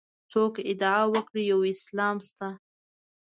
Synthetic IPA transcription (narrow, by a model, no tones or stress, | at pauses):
t͡sokɪd̪awəkɽijawɪslɑmst̪a